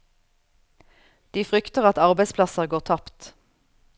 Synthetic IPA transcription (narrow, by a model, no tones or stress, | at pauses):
d̪̥iːfʁʏkt̪əʁɑt̪ɑʁbæɪspʰlɑsəʁɡoːʁt̪ʰɑpt̪